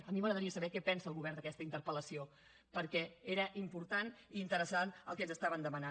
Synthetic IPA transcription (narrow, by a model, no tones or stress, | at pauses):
əmiməɣɾəðəɾiəsəβɛkɛpɛnsəːlˠɣuβɛrnd̪əkɛst̪əint̪əɾpələsio | pəɾkɛeɾəʔimpuɾt̪aniːnt̪əɾəsanə̰lˠkɛnzəst̪aβənd̪əməna